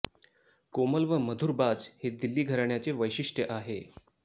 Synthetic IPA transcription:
koməlʋəməd̪ʱuːɾbad͡zhed̪ilːiːɡʱəɾaɳjat͡seʋəjɕiʂʈjəʔaɦe

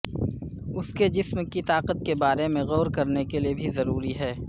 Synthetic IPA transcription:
ʊsked͡ʒɪsmkit̪aːqət̪̚kebaːɾemẽɣɔːɾkɐɾnekeliebʱizɐɾuːɾiɦɛː

